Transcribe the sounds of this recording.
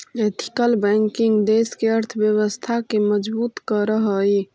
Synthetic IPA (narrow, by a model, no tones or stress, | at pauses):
et̪ʰi̥kəlbɛŋkɪŋɡd̪eskeəɾt̪ʰbjəwəst̪ʰakeməd͡ʒbuːt̪kəɾəɦəi